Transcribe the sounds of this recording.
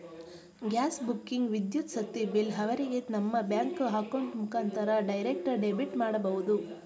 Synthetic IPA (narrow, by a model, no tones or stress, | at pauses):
ɡʲaːsbukːiŋɡʋid̪jut̪sɐt̪ːibilɦɐʋɐɾiɡenɐmːɐbjaːŋkɦaːkɐɳʈmukʰaːnt̪ʰɐɾɐɖɐjɾek̚ʈɐɖebiʈmaːɽɐbɐɦud̪u